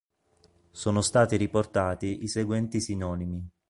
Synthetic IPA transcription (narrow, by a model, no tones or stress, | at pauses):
soːnost̪aːt̪iɾiport̪aːt̪iʔiseɡwɛnt̪isinɔːnimi